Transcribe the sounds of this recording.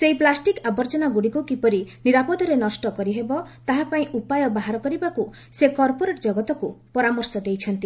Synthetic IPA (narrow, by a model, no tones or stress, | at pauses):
seɦiplasʈikabɔɾd͡ʒɔnaɡuɽikukipɔɾiniɾapɔd̪ʱɔɾenɔsʈɔkɔɾiɦebɔt̪aɦapaĩʔupajɔbaɦaɾɔkɔɾibaku | sekɔɾpoɾeʈd͡ʒɔɡɔt̪ɔkupɔɾamɔɾsɔd̪ejt͡ʃʰɔnt̪i